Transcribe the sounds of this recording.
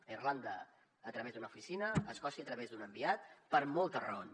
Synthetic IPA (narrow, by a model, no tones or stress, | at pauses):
irland̪əː | t̪ɾəβezd̪unəufisinəːskɔsiət̪ɾəβezd̪unəmbiat̪̚pəɾmolˠt̪ərə̰on